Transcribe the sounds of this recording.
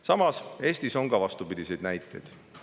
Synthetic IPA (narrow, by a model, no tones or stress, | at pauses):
sɑmɑse̞ːst̪iso̞ŋɡɑvɑst̪upid̪̥ʲise̞jd̪næjt̪ːˑejd̪̥